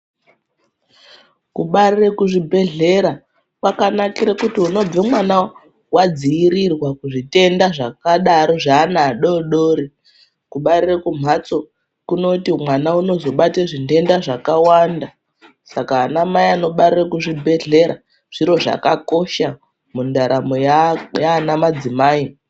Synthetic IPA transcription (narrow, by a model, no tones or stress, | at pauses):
kuɓarirekuʐibʱe̞ɮe̞ɾa | kwakanakiɾekutiuno̞b͡vemwana | wad͡ziːɾirwakuʐite̞ndaʐakaɗaɾo̞ʐanaɗo̞ɗoːɾi | kuɓarirekum̤at͡so̞ | kuno̞timwanauno̞zo̞ɓateʐinde̞ndaʐakawanda | sakaːnamaiano̞ɓarirakuʐibʱe̞ɮe̞ɾa̰ | ʐ̥iɾo̞ʐa̰kako̞ʃa | mundaɾamojajaːnamad͡zimaːi